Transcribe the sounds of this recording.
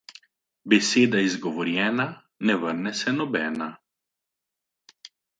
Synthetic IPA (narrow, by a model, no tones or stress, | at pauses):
bɛseːd̪aizɡɔʋɔɾjɛːna | nɛvəɾnɛsɛnɔbɛːna